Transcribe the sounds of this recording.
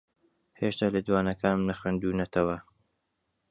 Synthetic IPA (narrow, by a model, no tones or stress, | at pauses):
heːʃt̪aːlɐd̪waːnɐkʰaːnmnɐxweːnd̪uːnɐt̪ʰɐwɐ